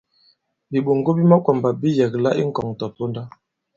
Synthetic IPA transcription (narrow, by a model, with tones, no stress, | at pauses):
bi˨ɓo˨ŋ˨ɡo˦bi˦ma˦kwa˨mba˨bi˦jɛ˨kla˦ʔi˦ŋ̩˦˨kɔ˨ŋ˨tɔ˨po˦nda˦